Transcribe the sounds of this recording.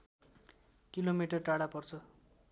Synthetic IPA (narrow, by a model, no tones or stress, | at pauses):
kilomiʈʌrʈaɽapʌrt͡sʰʌ